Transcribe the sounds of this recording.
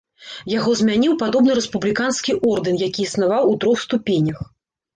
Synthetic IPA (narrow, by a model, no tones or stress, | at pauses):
jaɣɔzmʲanʲiwpad̪ɔbnɨɾɛspublʲikanskʲiʔɔrd̪ɨnjakʲiːsn̪avawut̪ɾɔxst̪upʲenʲɐx